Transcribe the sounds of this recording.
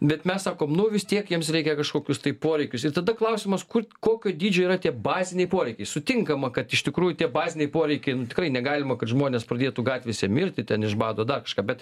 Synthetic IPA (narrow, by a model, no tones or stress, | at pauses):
bʲɛt̪mʲɛssɑːkoːmnʊʋʲɪst̪ʲiɛkjiɛmsɾʲɛɪkʲɛkɐʃkoːkʲʊst̪ɐɪpoːɾʲɛɪkʲʊsɪt̪ɐd̪ɐklˠɐʊsʲɪmɐskʊrkoːkʲoːd̪ʲiːd͡ʒʲoːiːɾɐt̪ʲiɛbɑːzʲɪnʲɛɪpoːɾʲɛɪkʲɛɪsʊt̪ʲɪŋkɐmɐkɐt̪ɪʃʲt̪ʲɪkɾuːjʊtʲiɛbɑːzʲɪnʲɛɪpoːɾʲɛɪkʲɛɪnʊt̪ʲɪkɾɐɪnʲɛɡɑːlʲɪmɐkɐt̪ʒmoɔnʲeːspɾɐd̪ʲeɛt̪uɡɑːt̪ʲʋʲɛsʲɛmʲɪɾʲt̪ʲɪt̪ʲɛnɪʒbɑːd̪oːd̪ɐrkɐʃkɑːpbʲɛt̪